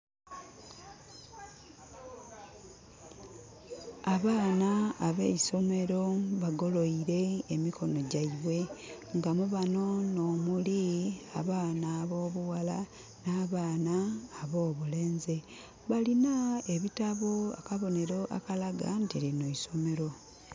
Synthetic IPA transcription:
aβaːnaːβeiso̞me̞ɾo̞βaɡo̞lo̞iɾe̞ːmiko̞no̞ɟaiβwe̞ | ŋɡamuβano̞no̞ːmuliaβaːnaːβo̞ːβuwala | naːβaːnaːβo̞ːβule̞ːnze | βalinaeβitaβoa̰kaβo̞ne̞ɾo̞ʔa̰kalaɡa̰ntilinoiso̞me̞ɾo̞

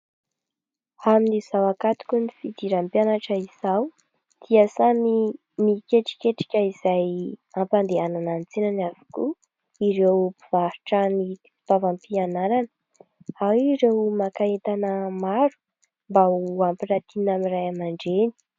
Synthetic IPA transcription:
aminiz̥awakat̪u̥kʲunifid̪iɾampjanaʈ͡ʂəiz̥aw | d̪̥iəsani | mikeʈ͡ʂi̥kʲeʈ͡ʂi̥kʲəiz̥ajampand̪eananant͡senanavu̥ku | iɾewpiv̥aɾiʈ͡ʂani | pavampianaɾanə̥ | awiɾewmakaet̪anəmaɾu̥ | mbauampiɾat̪inamirajamaɳɖ͡ʐeni̥

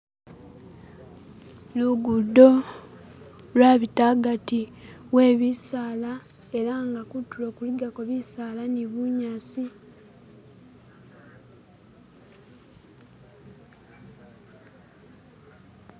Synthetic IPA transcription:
luɡudːo̞ | lwaːβitaɡatiwe̞ːβisaːla | e̞ɾaŋɡakutːulo̞ːkuliɡakoβisaːlaniβuɲaːsi

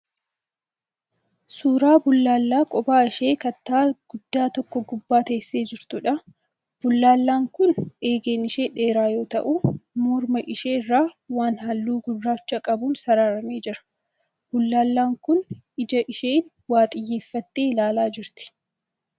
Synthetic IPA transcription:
suːɾaːbʊlːaːlːaːkʼɔbaːɪʃe̞ːkɐt̪ːaːɡ̥ʊd̪ːaːt̪ɔkːɔɡʊbːaːt̪ɐɪsːe̞ːd͡ʒɪɾt̪ʊᶑɐ | b̥ʊlːaːlːaːŋkʊne̞ːɡeːnɪʃe̞ːᶑe̞ːɾaːjo̞ːt̪ɐ̰ʔʊmɔɾmɐʔɪʃeːrːaːwaːnhɐlːuːɡʊrːaːt͡ʃːɐkʼɐbuːnsɐɾaːɾɐmeːd͡ʒɪɾɐ̥ | b̥ʊlːaːlːaːŋkʊnɪd͡ʒɐʔɪʃeːn | waːt̪ʼɪjːeːfːɐt̪ːeːlaːlaːd͡ʒɪɾt̪ɪ̥

